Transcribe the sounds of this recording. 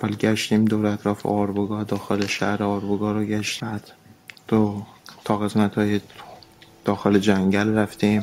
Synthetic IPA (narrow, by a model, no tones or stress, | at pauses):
ævælɟæʃt̪iːmd̪oːɾeæt̪ʰɾɒːfḛɒɾboɡɒːd̪ɒːxe̞leʃæ̰hɾeɒːɾboɡɒːɾoɟæʃt̪ːbæd̪d̪̥ot̪ʰɒːɣe̞smæt̪hɒːje | d̪̥ɒːxe̞led͡ʒæŋɟælræft̪iːm